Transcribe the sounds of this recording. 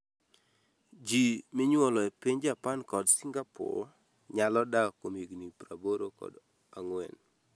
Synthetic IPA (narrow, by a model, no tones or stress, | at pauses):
d͡ʒimɪɲwɔlɔɛpiɲd͡ʒapankɔdsiŋɡapɔ̰ | ɲalɔdakomiɡnipɾaboɾokɔ̰d | aŋwɛn